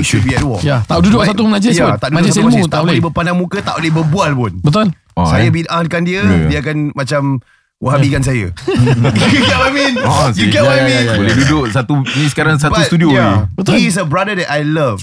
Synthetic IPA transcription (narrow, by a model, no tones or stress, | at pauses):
ʃud̚biɛdɔ̰jat̪aududʊʔsat̪uməlad͡ʒɛjaʊnt̪aʔdudd͡ʒsmmũt̪aolɪbəpandaŋmũkət̪a̰ʔolehbərbualpʊnbət̪ʊl | sajabinankandiədiakanmat͡ʃam | wʔaɦabikans̬ajə̰ | juɡɛʔwaminjuɡɛwaminbolɛdudʊʔsat̪uinĩsə̥kaɾaŋsab̪ust̚t̪udioabət̪is̬əbɾadədɛtajləv